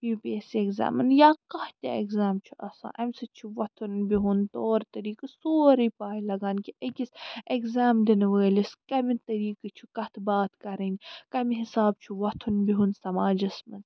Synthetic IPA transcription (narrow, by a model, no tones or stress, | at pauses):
ipeːsieɡza̰ːmɐnjaːkɐht̪ʲɐ̰eɡzaːmt͡ʃʰuʔɐsã̰ːʔɐmsɐt͡ʃʰuʋɐt̪ʰunbiɦunt̪oːɾt̪ɐɾiːkɨsoːɾipaːjilɐɡaːnkiʔɐkʲiseɡzaːmd̪inʋəːliskɐmit̪ɐɾiːkɨt͡ʃʰukɐt̪ʰbaːt̪kɐɾɐnʲkɐmiɦisaːb̚t͡ʃʰuʋɐt̪ʰunbiɦunsɐmaːd͡ʒɐsmɐn